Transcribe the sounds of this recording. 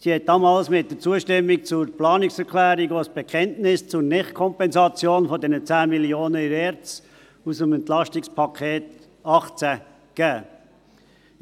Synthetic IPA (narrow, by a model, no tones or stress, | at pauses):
sihɛt̚d̥ɑːmɑːlsmɪt̚d̥əɾt͡suəʃtɪmːik̚t͡sʊɾplɑːnɪksɛɾkʰlæːɾiɡosb̥ɛkχɛntnɪst͡sʊɾnɪχtkʰɔmpɛnsɑt͡sjoːnfɔdɛnət͡sæːmiljoːnəiɾɛɾt͡s | usəmɛntlɑʃtɪkspʰɑkʰeːt | ɑχt͡sæ | kæː